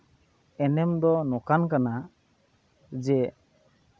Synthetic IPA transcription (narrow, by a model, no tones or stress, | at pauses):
ɛnɛmd̪ɔnɔkankana | d͡ʒɛ